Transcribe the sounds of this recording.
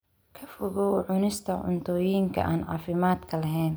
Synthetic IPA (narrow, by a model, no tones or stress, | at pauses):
kʰɐfʊɣɔwʕʊnɪst̪ʰɐʕʊ̰nt̪ʰɔːjiːŋkʰɐ̰ʔa̰ːnʕɑ̰ːfɪmaːd̪kʰɐlɐɦɛːn